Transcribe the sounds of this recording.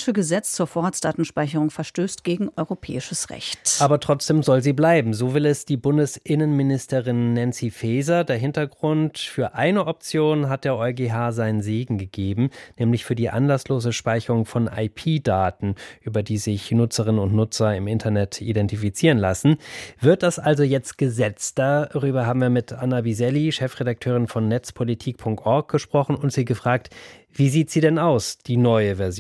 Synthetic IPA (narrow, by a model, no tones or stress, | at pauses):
ʃəɡəzɛt͡st͡suːɐfoːɐʁaːt͡sd̥aːtn̩ʃpaɪçəʁʊŋfɛɐʃtøːstɡ̥eːɡŋ̩ʔɔʏʁopʰɛ̰ːɪʃəsʁɛ̰çtaːbɐtʁ̥ɔt͡sd̥eːmzɔlziːblaɪbm̩zoːvɪlɛsd̥iːbʊndəsʔɪnənmɪnɪstəʁɪnːɛnsifɛːzɐdeːɐɦɪntɐɡʁʊntfyːɐʔaɪnəʔɔp̚t͡sjoːnɦat̚d̥eːɐʔɔʏɡeːɦaːzaɪnənzeːɡŋ̩ɡəɡeːbm̩nɛːmlɪçfyːɐdiːʔa̰nlasloːzəʃpaɪçəʁʊŋfɔnʔa̰ɪpʰiːdaːtn̩ʔyːbɐdiːzɪçnʊt͡səʁɪnənʊntnʊt͡sɐɪmɪntʰɐnɛtʰḭdɛntifit͡siːʁ̞ənlasn̩v̥ɪɐt̚d̥asʔalzojɛt͡st̚ɡ̥əzɛt͡std̥aʁyːbɐɦaːbm̩viːɐmɪtʔanabizɛliʃɛfʁ̥edak̚tʰøːʁ̞ɪnfɔnːɛt͡spʰolitʰiːk̚pʰʊŋk̚tʔɔɐk̚ɡ̥əʃpʁ̥ɔχn̩ʊntz̥iːɡəfʁ̥aːk̚t | v̥iːziːtz̥iːdɛnaʊsd̥iːnɔʏəvɛɐz